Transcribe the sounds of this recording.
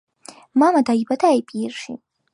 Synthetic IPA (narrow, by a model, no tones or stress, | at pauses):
mamadajbadʰajpʼirʂḭtʼ